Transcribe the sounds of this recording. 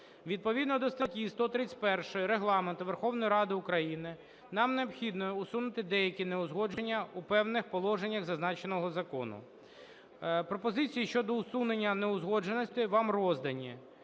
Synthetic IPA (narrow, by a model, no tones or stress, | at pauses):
ʋʲid̪̚pɔʋʲid̪nɔd̪ɔst̪ɐtʲist̪ɔt̪ɾɪt͡sʲpɛrʃɪjɾeɦlˠɑment̪ʊʋerxɔwnɔjiɾɑd̪ɪʊkɾɐjinɪ | nɑmneɔpxʲid̪nɔɛusunɪt̪ɪd̪ɛjɐkʲineʊzɦɔd͡ʒenʲːɐupɛwnɪxpɔlˠɔʒenʲːɐɣzɐznɑt͡ʃenɔɦɔzɐkɔ̰nʊ̰ | pɾɔpɔzɪt͡sʲijiʃt͡ʃɔd̪ɔʊsunenʲːɐneʊzɦɔd͡ʒenɔsʲt̪ʲɪʋɑmrɔzd̪ɐnʲːi